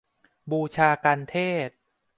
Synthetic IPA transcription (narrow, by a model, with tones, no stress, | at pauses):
buː˧t͡ɕʰaː˧kaː˧nt̪ʰeː˥˩t̪̚